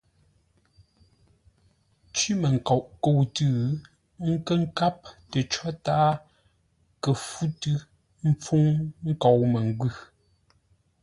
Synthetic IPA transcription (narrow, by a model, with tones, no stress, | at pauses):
t͡ʃi˦mə˨ŋ̩˨kɔ˨wʔko˨wtʉ˦˨˦ | ŋ̩˦kə˦ŋ̩˦ka˦p̚tə˨t͡ʃɔ˦ta˦ | kə˨fu˦tʉ˦ | m̩˦p͡fu˦ŋŋ̩˦kɔ˨wmə˨ŋ˦ɡwʉ˦